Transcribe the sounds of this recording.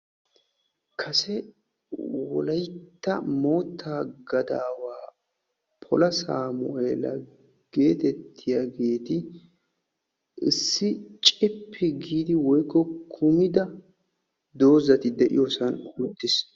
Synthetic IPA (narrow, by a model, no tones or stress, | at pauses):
kʰɐsɛ | wɔ̰lɐjt̪ːɐmo̞ːt̪ʰːaːɡɐd̪aːwaː | pʰɔlɐsaːmʊʔeːlɐ̰ | ɡ̥e̞ːt̪ɛt̪ʰːɪjaɡe̞ːt̪ɪ | ɪ̰sːɪt͡ʃʼɪpʰːɪɡiːd̪ɪwɔjkːɔkʰʊmɪd̪ɐ | d̪o̞ːzɐt̪ɪd̪ɛʔɪ̰joːsɐnhut̪ːɪs